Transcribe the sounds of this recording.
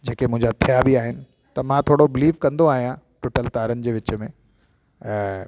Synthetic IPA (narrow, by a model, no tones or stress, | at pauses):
d͡ʑeːkemʊ̃ɦɪ̃ɲd͡ʑat̪ʰijabiaːɦɪnɪ̆ | t̪ɐmãt̪ʰoːɽobɪliːʋkɐ̃nd̪oaːɦijã | ʈʊʈəlt̪aːɾənɪ̆d͡ʑeːʋɪt͡ɕə̆mẽ